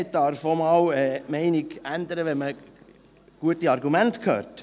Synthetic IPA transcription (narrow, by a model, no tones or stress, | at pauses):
ɪt̚dɑɾfomɑːwɛːmɛɪniɡænd̪əɾəʋɛnmə | ɡ̥uətiɑɾɡumæntkʰhø̰ːɾt